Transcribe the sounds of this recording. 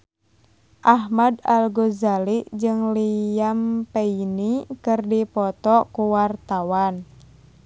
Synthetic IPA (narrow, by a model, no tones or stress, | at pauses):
ʔaɦmadalɡozaliʔd͡ʒɨŋlijampeinikɨrdipɔt̪ɔkuwart̪awan